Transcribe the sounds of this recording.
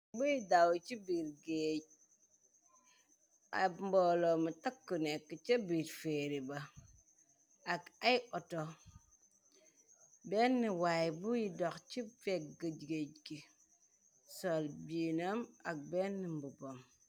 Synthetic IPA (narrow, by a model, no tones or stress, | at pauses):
bujidawt͡ʃibiɾɡeɟ̚ | a̰mbolomutakːunekːit͡ʃɐbiɾfeɾiba | akaiʔɔto | benːiwajbujidɔkt͡ʃifek̚ɡəɟɡeɟki | solbinamak̚benːimbubom